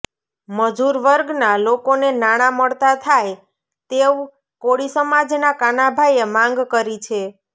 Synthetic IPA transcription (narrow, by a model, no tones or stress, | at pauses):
məd͡ʒuɾʋəɾɡnalokonenaɽ̃aməɭt̪at̪ʰaj | t̪eu | koɽisəmad͡ʒnakanabʱajemãŋɡkəɾit͡ʃʰe